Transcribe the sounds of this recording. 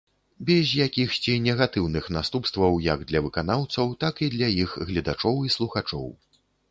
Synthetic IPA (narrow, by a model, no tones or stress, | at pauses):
bʲɛzʲjakʲixsʲt͡sʲinʲɛɣat̪ɨwnɨxnast̪upst̪vɐwjɐɡd̪lʲɐvɨkan̪awt̪sɐwt̪akid̪lʲɐjixɣlʲɐd̪at͡ʂɔwislˠuxat͡ʂɔ̰w